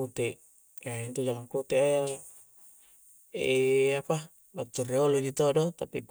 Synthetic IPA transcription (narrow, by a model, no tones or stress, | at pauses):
ut̪eʔ | jaint̪ud͡ʒaŋaŋkut̪eaja | ḛapa | bat̪ːureolud͡ʒit̪odɔt̪apik